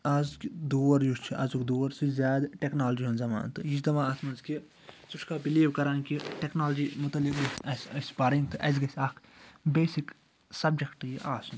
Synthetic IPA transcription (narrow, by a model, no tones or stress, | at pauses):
azkid̪oːɐɾjust͡ʃʰiʔɐzukd̪uːɐɾsizʲjaːd̪ʈeknaːlɐd͡ʒiɦunzɐma̰ːnt̪ɨjit͡ʃʰd̪ɐmaːɐsʰmɐnzki | suʈʰkaːbiliːʋkɐɾaːnkiʈeknaːlɐd͡ʒimut̪ɐlːikɡ̪ɐsɐsɐsʲpaːɾiŋɡt̪ɨʔɐz̬ɡɐsʲɐːkʰbeːsik | sɐb̚d͡ʒɐkʈjiʔaːsn